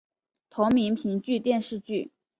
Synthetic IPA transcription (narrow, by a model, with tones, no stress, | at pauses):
t̪ʰʊ˧˥ŋmi˧˥npʰi˧˥ŋt͡ɕy˥˧t̪jɛ˥˧nʂɻ̩˥˧t͡ɕy˥˩